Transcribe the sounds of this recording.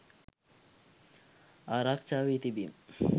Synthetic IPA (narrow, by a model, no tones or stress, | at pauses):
aɾakt͡ʃawit̪ibim